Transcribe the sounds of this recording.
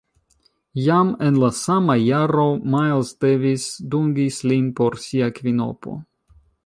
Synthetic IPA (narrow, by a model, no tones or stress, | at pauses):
jamenlasamajaɾo̞majlstevisduŋɡislinpo̞ɾsiakvino̞̰po̰